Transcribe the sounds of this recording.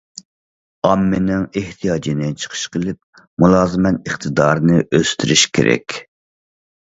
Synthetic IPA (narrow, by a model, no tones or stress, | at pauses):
ɑmːɪnɪŋeht̪ʰijɑːd͡ʒinɪt͡ʃʰə̥qʰə̥ʃqʰəlˠɪp̚ | mulˠɑːzɨmɛt̪əχt̪ʰɨd̪ɑːɾnɨʔøst̪ʰyɾyʃkʲʰḛɾɛ̰kʲ